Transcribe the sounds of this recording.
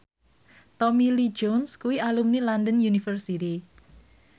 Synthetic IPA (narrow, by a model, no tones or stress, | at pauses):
t̪ɔmilid͡ʒɔnskuwiʔalumnilandənjunifərsit̪i